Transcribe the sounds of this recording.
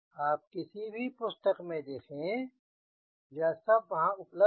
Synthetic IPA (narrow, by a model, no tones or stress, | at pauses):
aːp̚kɪsibʱipʊst̪əqmẽd̪eːkʰẽ | jaːsɐb̚ʋɐɦãʊplə